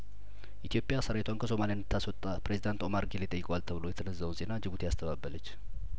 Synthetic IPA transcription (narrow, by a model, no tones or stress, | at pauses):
ʔit̪ijo̞pʼjasəɾaet̪ʰwankʰəso̞malijandɨt̪ʰːaswɔt̪ʼːapɾe̞zid̪ant̪o̞maɾɡelejt̪ʼəjːɪkʼoalt̪ʰəβɨlo̞jɛt̪ʰənəzːawnze̞nad͡ʒɨβut̪ʰejast̪ʰəβabːələt͡ʃː